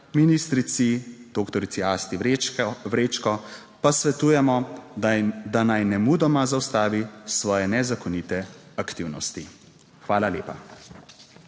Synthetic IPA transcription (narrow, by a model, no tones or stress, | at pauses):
minist̪ɾit̪sid̪̥okt̪ɔɾit̪siaːst̪iʋɾeːt͡ʃkɔ | pasʋɛt̪uːjɛmɔ | d̪anajnɛmud̪ɔmazawst̪aːʋisʋɔːjɛnɛzakɔnit̪ɛ | akt̪iwnɔst̪i | xʋaːlaleːpa